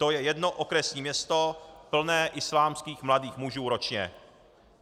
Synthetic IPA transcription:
t̪o̞jɛjɛdno̞ʔokɾɛsɲiːmɲɛst̪opl̩nɛːʔɪslaːmskiːxmladiːxmuʒuːɾot͡ʃɲɛ̰

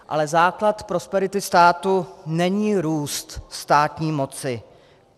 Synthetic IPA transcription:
ʔa̰lɛzaːklat̪pɾo̞spɛɾɪt̪ɪst̪aːt̪unɛɲiːɾuːst̪st̪aːt̪ɲiːmo̞t͡sɪ

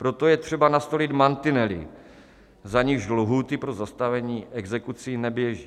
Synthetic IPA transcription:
pɾo̞t̪o̞jɛt̪r̝̥ɛbanast̪o̞lɪt̪mant̪ɪnɛlɪ̰ | zaɲɪʒdloɦuːt̪ɪpɾo̞zast̪avɛɲiːʔɛɡzɛkut͡sinɛbjɛʒiː

